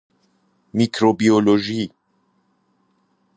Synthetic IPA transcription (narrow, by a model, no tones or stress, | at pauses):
mikɾobioloʒi